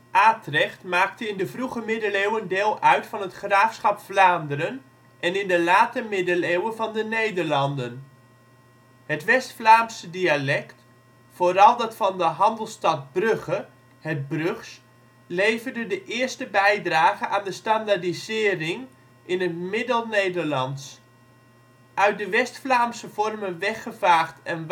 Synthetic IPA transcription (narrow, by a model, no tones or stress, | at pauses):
ʔaːtrɛχtmaːk̚təɪndəvruχəmɪdəlewəndɪːlˠʔœɥtfɑnɦətχraːfsχɑpflaːndəɾən | ʔɛnɪndəlaːtəmɪdəlewənvɑndənejdəɹlɑndən | hətʋɛstflaːmsədialɛkt | foːɾɑlˠdɑtfɑndəɦɑndəlˠstɑt̚brøɣə | hɛt̚brøxs | lejvərdədəʔɪəstəbɛjdraːɣəʔaːndəstandadizɪːrɪŋ | ɪnətmɪdəlˠnejdərlɑnts | ʔœɥt̚dəʋɛstflaːmsəfɔrmənʋɛxəvaːχtʰɛn